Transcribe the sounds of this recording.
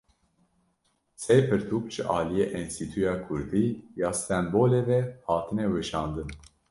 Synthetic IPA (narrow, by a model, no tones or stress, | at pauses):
sejpʰɨɾt̪ʰukʒɨʔɑːlijeʔinst̪it̪ʰujɑːkʰuɾd̪iːjɑːst̪ɛmboːlevehɑːt̪ʰɨneweʃɑːnd̪ɨn